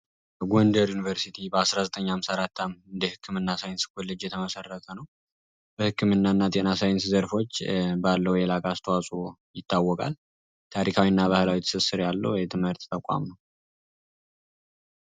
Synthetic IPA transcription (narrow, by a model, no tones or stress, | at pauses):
bəɡo̞ndəɾjunivəɾsit̪ʰibəasɾazət̪ʼəɲːamsaɾat̪ʰːamɨnd̪ehɨkʰːɨmɨnːasajnskolːɨd͡ʒjɛt̪ʰəməsərːət̪ʰənəw | bəhɨkʰːɨmɨnːaɨnːat̪ʼenasajɪnszəɾfo̞t͡ʃːbalːəwjɛlakʼast̪ʰəwasʼojɪt̪ʰːawːɔkʼa̰l | t̪ʰaɾikʰawinːaβahɨlawit̪ʰɨ̥sɨsɨɾjalːə̰wjɛt̪ʰɨmhɨɾt̪t̪ʰəkʷʼa̰mnəw